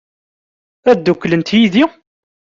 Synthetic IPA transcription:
æd̪ːukːlənt̪jiði

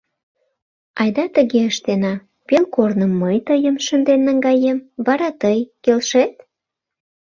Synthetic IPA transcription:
ɑjd̪ɑt̪əɣeəʃt̪enɑ | pelkornəmːəjt̪əjəmʃənd̪enːəŋɡɑjemvɑɾɑt̪əjkelʃet̪

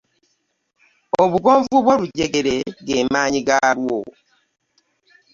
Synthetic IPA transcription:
oβuɡoːɱvuβwoɾuɟeɡeɾeɡeːmaːɲiɡaɾwo

